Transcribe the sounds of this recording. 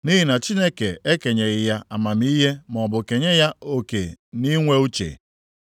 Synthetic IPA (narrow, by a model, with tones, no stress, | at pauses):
ni˦ɦi˨na˨t͡ʃi˦ne˦ke˨e˦ke˨ɲe˨ɣɪ˨ja˦a˨ma˨mi˦ɦe˦m˨ɔ˨bʊ˨ke˨ɲe˦ja˦o˨ke˨ni˦ŋʷe˦u˦t͡ʃḛ˨